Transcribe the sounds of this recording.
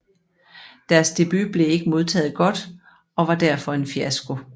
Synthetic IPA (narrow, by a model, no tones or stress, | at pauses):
d̥æɐsd̥e̝b̥y̰b̥le̝e̝ɡ̥əmo̝ð̞ˠt͡sʰɛ̰ːð̩ˠɡ̥ɒ̽d̥ | ɒ̽ʋɑ̈d̥æɐfɒ̽e̝nfiæsɡ̥o̝